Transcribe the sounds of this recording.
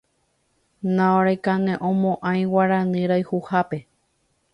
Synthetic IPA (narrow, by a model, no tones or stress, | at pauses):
nãoɾajkanẽʔõmõʔãj̃waɾãnɨ̃ɾajhuhape̞